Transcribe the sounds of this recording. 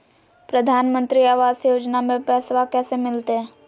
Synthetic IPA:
pɾəd̪ʱaːnmə̃nt̪ɾiaːʋaːsjoːd͡ʒnamẽpɛːsʋakɛːsemɪlt̪eɛ̃

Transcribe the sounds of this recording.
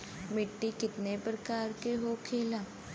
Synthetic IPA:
mɪʈːikɪt̪nepɾəkaːɾkeɦoːkʰeːlaː

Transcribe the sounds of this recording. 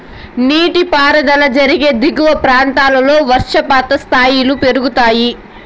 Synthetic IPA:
niːʈipaːɾɐd̪ɐlɐd͡ʒɐɾiɡe̞ːd̪iɡuʋɐpɾaːnt̪aːlɐlo̞ːʋɐɾʂɐpaːt̪ɐst̪ʰaːjilupe̞ɾuɡut̪aːji

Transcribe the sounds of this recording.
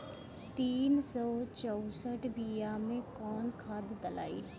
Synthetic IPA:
t̪iːnsɔːt͡ʃɔʊsəʈʰbijamẽkɔːnkʰaːd̪d̪əla̰ːḭː

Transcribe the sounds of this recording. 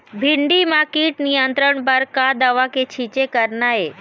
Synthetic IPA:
bʱiɳɖimakiːʈnijənt̪ɾəɳpəɾkad̪aʋaket͡ʃʰit͡ʃekəɾnae

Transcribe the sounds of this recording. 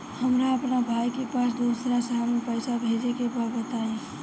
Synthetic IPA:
həmɾaəpnabʱajkepasd̪uːsɾasaɦamepəɪsabʱed͡ʒekebaɾbət̪aẽ

